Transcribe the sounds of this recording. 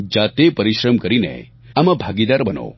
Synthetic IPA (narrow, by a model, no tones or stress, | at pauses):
d͡ʒat̪epəɾiʃɾəmkəɾinḛ | amãbʱaɡid̪aɾbəno̰